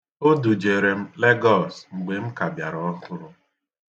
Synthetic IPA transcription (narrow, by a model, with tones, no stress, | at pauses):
o˦du˨d͡ʒe˨ɾe˨m̩˦le˦ɡɔ˦˨sŋ͡m̩˨ɡ͡be˨m̩˦ka˨bja˨ɾɔ˨ɔ˦ɦʊ˦ɾʊ˦